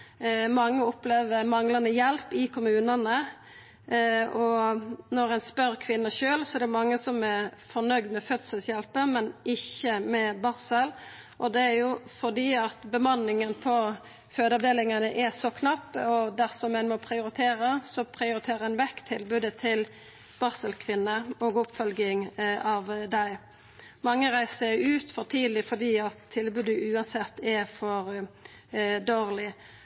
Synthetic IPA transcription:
mɑŋːəɔpleːʋəɾmɑŋlɑnd̪əjɛlpɪkʰʊmʉːnɑnə | ɔnɔɾæɪnspœɾkʰʋɪnːəʃøːlsɔɛɾd̪ɛɾmɑŋːəsɔmɛɾfɔnœɡd̪mɛfœt̪səlsjɛlpəmɛnɪçːəmɛbɑɾsəl | ʔɔd̪ɛæɾjʊfɔʁd̪iːɑt̪bəmɑnːɪŋənpʰɔ | føːd̪ɑʋd̪eːlɪŋɑnəʔɛsɔkʰnɑpːəɔd̪æʁsɔmːɛnmɔpʰɾɪʊɾɪt̪ʰeːɾəsɔpʰɾɪʊɾɪt̪ʰeːɾʁəɛnʋɛkt̪ʰːɪlbʉːd̪ət̪ʰɪl | b̥ɑʁsəlkʰʋɪnːəoːɡʊpfœlɡɪŋɑʋd̪æɪ | mɑŋːəʁæɪsəʉːt̪fɔʁt̪ʰiːd̪lɪfɔʁd̪iːɑt̪ʰːɪlbʉːd̪əʔʉːɑnsɛt̪ːɛfɔɾ | d̪oːʁlɪ

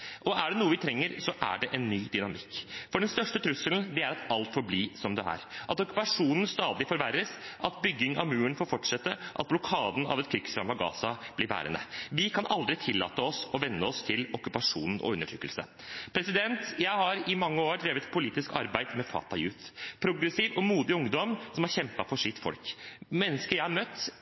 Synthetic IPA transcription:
ʔɔʔæɖɛnuːəʋɪt̪ʰɾɛŋːəɾsɔʔæ̰ɖɛʔɛnːyːd̪ʏnɑmɪkːfɔɖɛnst̪œʂʈət̪ʰɾʉsːəln̩d̪ɛæɾɑt̪ɑlt̪fɔɾbliːsɔmd̪ɛæ̰ɾʔɑt̪ɔkʉ̥pɑʂuːnən̩st̪ɑːd̪ɪfɔɾʋæɾːəsʔɑt̪bʏɡːɪŋɑʋmʉːəɳfoːɾfɔʈʂɛt̪ːəʔɑ̰t̪̚blɔkʰɑːd̪n̩ɑ̰ʋɛt̪̚kʰɾʏksɾɑmːɑɡɑ̰ːsɑblɪɾʋæ̰ːɾə̰nə̰ʋɪkʰɑnʔɑld̪ɾɪt̪ʰɪlːɑ̰ːt̪əɔsɔʋɛnːəɔst̪ʰɪlɔkʉpɑʂṵːnn̩ʔɔ̰ʉnːəʈʰɾʏkːəlsə̰ | pʰɾɛsɪd̪ɛnt̪jæɪhɑɾɪmɑŋːəoːd̪ɾeːʋət̪pʰʊliːt̪ɪskɑ̰ɾbæɪd̪mɛfɑ̰ːt̪ɑjʉːt̪pʰɾʊɡɾɛsiːʋɔmuːd̪ɪʊŋd̪ɔmsɔmhɑɾçɛmpɑfɔʂɪt̪ːfɔ̰lkmɛnːəskəjæɪɑɾmœt̪ː

